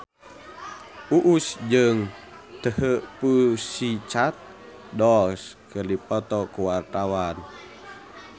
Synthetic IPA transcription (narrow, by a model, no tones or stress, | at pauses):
ʔuʔusd͡ʒɨŋt̪əɦəpusit͡ʃat̪̚ | dɔlskɨrdipɔt̪ɔkuwart̪awan